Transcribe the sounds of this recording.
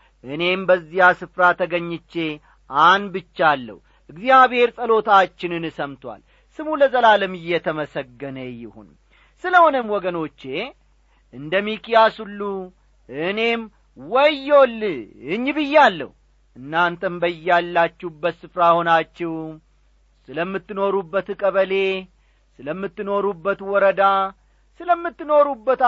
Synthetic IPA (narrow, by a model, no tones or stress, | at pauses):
ʔɨne̞mbəzːijasɨfɾat̪ʰəɡəɲːɪt͡ʃːe̞ | ʔanbɨt͡ʃːalːə̰wu | ʔɨɡzijaβhe̞ɾsʼəlo̞t̪ʰat͡ʃːɪnɨnɨsəmt̪wa̰l | sɨmuləzəlaləmɨjːɛt̪ʰəməsəɡːənəjɪhṵn | sɨləho̞nəmwɔɡəno̞t͡ʃːe̞ | ʔɨnd̪əmikijasulːu | ɨne̞m | wɔjːolːɨɲːbɨjːalːə̰h | ʔɨnːant̪ʰəmbəjːalːat͡ʃːɛbət̪sɨfɾaho̞nat͡ʃːɛw | sɨləmːɨt̪ːɨno̞ɾubːət̪kʼəβəle̞ | sɨləmːɨt̪ːɨno̞ɾubːət̪wɔɾəd̪a | sɨləmːɨt̪ːɨno̞ɾubːət̪